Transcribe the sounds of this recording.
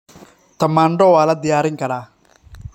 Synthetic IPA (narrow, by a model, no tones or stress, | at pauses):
t̪ɐmaːɳɖɔwaːlɐd̪ɪjaːɾɪŋkɐɽaː